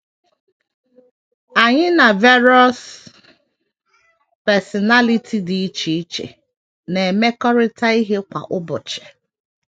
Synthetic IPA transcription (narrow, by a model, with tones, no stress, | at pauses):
a˨ɲɪ˦na˨vɛ˦ɾɔ˦s | pɛ˨sɔ˨na˦li˦tʰi˨di˨˦t͡ʃi˨i˦t͡ʃḛ˨ | ne˨e˨me˦kɔ˦ɾɪ˦tʰa˦i˦ɦe˦kʷa̰˨ʔʊ˦bʊ˨t͡ʃɛ̥˨